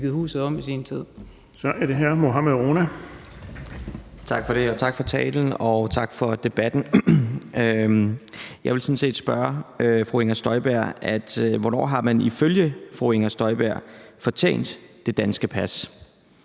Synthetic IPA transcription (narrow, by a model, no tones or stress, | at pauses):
ɡ̥ð̩ˠhṵːsð̩ˠɒ̽m̰isint͡sʰið̰ˠ | sɒʔæɐd̥e̝ɦæɐ̰moɦɑmeʁoːnæ | t͡sʰɑ̈ɡ̥fɒ̽ɾ̥e̝ɒ̽t͡sʰɑ̈ɡ̥fɒ̽t͡sʰɛ̰ːln̩ɒ̽t͡sʰɑ̈ɡ̥fɒ̽d̥e̝b̥æd̥n̩ | jɑ̈ɪʋelsɔ̽n̩se̝̰ːd̥sb̥ɶɐøfʁueŋɐsd̥ɒ̽ɪb̥æɐ̰ʔæd̥ʋɒnɒ̰ːɦɑ̈mæniføljəfʁue̝ŋɐsd̥ɒ̽ɪb̥æɐ̰fɒ̽t͡sʰḛːn̰d̥ːe̝d̥ænsɡ̥əpʰæs